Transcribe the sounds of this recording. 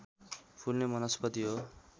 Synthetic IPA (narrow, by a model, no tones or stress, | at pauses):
pʰulnemʌnʌspʌt̪iɦo